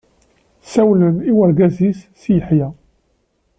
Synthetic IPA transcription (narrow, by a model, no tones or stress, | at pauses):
sæwləniwæɾɡæzisːijəħjæ